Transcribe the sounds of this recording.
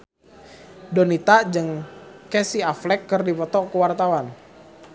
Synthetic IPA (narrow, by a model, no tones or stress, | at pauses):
donit̪ad͡ʒɨŋkɛsiaflɛkːərdipɔt̪ɔkəwart̪awan